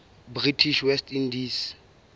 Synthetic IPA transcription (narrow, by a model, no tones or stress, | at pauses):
britʰiʃwɛstʰindis